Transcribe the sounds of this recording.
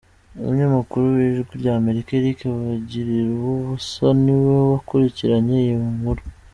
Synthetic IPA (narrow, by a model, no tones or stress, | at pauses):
o̰muɲamakuɾuβiʒiʒɡwiɾɟaːme̞ɾikaeɾikaβaɟiɾiɾwoβusaniwoβakuɾiciɾaɲejimuŋuɾu